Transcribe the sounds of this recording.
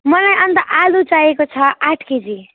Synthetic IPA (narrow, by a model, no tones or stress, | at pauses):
mʌnajʌnt̪aʔalut͡sajekot͡sʰʌʔaʈʰked͡zi